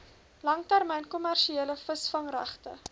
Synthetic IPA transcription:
lɐŋtærmɛjnkɔmærʃieːləfəsfɐŋræ̰χtə̰

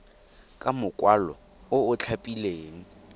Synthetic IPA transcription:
kʼamʊkʼwalɔ | ʊʊt͡ɬʰapʼileːŋ̩

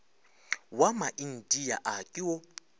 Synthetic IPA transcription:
wamaʔin̩tʼijaʔakʼɪwɔ

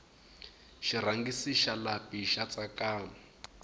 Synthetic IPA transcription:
ʃir̤aŋɡisiʃalapiʃat͡sakaː

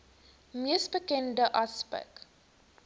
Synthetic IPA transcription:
miəsbəkɛndəʔɐspɛ̰k

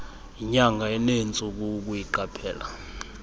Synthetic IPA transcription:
iɲaŋɡʱaɛnent͡sʼuk̬uk̬ujiǃapʰɛːla̰

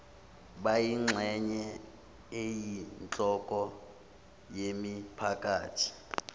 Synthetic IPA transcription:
bajiŋ͡ǁʱɛɲɛ | ejint͡ɬʼɔkʼɔ | jemipʰakʼaːtʰi̥

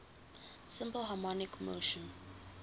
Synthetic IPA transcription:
sɪ̃mpəlɦamɔnɪkmo̰ʃə̃n

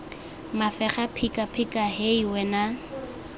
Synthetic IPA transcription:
mafɛχapʰikʼapʰikʼaɦeiwɛna

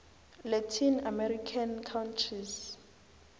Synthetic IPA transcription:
lɛtʰinamɛrikʰankʰawntʰriz

